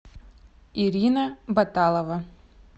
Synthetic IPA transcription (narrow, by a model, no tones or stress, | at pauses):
iɾʲinɐbat̪alˠɐvɐ